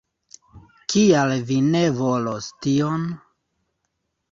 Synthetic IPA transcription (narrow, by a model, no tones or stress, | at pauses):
kialvine̞vo̞lostion